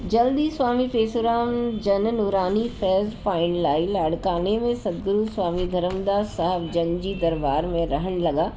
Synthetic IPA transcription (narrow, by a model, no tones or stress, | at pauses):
d͡ʒɐld̪iswaːmipeːsoɾaːmd͡ʒɐnnuɾaːnifʰɛːzpaːɪ̃ɳʈlaːilɐɽkaːnemẽsɐd̪ɡɾuswaːmid̪ʱɐɾəmd̪aːsɐɦəbd͡ʒɐ̃nd͡ʒid̪ɐɾbaːɾmẽɾɐɦəñlɐɡaː